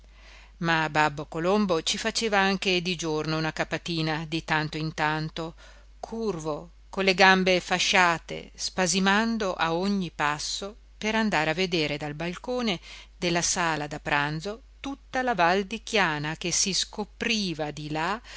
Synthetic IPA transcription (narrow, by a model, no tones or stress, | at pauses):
mababːokolombot͡ʃifat͡ʃeːvaaŋk̟ed̪id͡ʒornounakapːat̪iːnad̪it̪ant̪oint̪ant̪o | kʰurvo | kolːeɡambefaʃːaːt̪ḛspazimand̪oʔaoɲːipasːo | peɾand̪aːɾeavːed̪eːɾed̪albalkoːned̪elːasaːlad̪apɾand̪zo | t̪ut̪ːalavald̪ik̟jaːnak̟esiskopɾiːvad̪ila